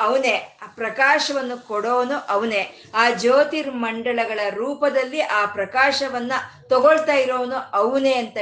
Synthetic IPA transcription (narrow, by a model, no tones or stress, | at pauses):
ɐʋɐneːpɾɐkaːʃɐʋɐnːukɔɽoːnuʔɐʋɐneː | aːd͡ʒoːt̪iɾmɐɳɖɐɭɐɡɐɭɐɾuːpɐd̪ɐlːiʔaːpɾɐkaːʃɐʋɐnːɐt̪ɔɡoɭt̪aːjiɾoːʋnuɐʋune̞ːɐnt̪ɐ